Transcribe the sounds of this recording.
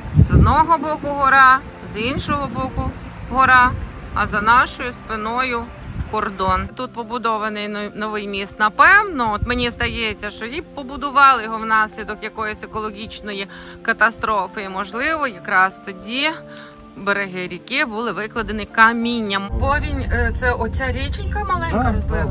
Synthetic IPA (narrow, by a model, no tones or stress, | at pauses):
zɔd̪nɔɦɔbɔkʊɦɔɾɑ | zinʃɔɦɔbɔkʊ | ɦɔɾɑ | ɐ̰zɐnɑʃɔjʊspɪnɔjʊ | kɔrd̪ɔnt̪ut̪̚pɔbʊd̪ɔʋɐnɪjnɔʋɪjmʲist̪nɐpɛwnɔɔt̪menʲizd̪ɐjɛt͡sʲːɐʃt͡ʃɔjipɔbʊd̪ʊʋɑlˠɪjɔɦɔwnɑsʲlʲid̪ɔkjɐkɔjɔsʲekɔlˠɔɦʲit͡ʃnɔji | kɐt̪ɐst̪ɾɔfɪimɔʒlˠɪʋɔjɐkɾɑst̪ɔdʲi | beɾeɦɪɾʲikɪbulˠɪʋɪklˠɐd̪enɪkɐmʲinʲːɐmbɔʋʲinʲt̪sɛʔɔt͡sʲaɾʲit͡ʃɪnʲkɐmɐlˠɛnʲkɐmɔzlˠɪ